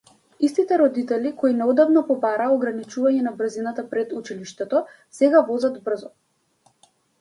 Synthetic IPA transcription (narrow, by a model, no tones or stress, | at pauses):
ist̪it̪ɛɾɔd̪it̪ɛlikɔinɛɔd̪avnɔpɔbaɾaːɔɡɾanit͡ʃuvaɲɛnabr̩zinat̪apɾɛd̪ut͡ʃiliʃt̪ɛt̪ɔ | sɛɡavɔzad̪br̩zɔ